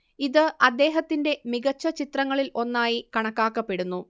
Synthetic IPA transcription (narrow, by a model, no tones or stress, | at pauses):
iðɨʔɐd̪ːe̞ːɦɐt̪ːinde̞miɣɐt͡ɕːɐt͡ɕit̪rɐŋːɐɭilo̞nːaːjikɐɳɐkːaːkːɐpːe̞ɽunːu